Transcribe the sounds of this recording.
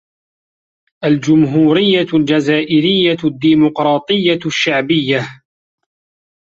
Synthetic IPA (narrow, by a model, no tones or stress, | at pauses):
ʔald͡ʒʊmɦuːɾɪjːald͡ʒazaːʔɪɾɪjːad̪ːiːmʊqɾˤɑːt̪ˤɨjːaʃːaʕbɪjːa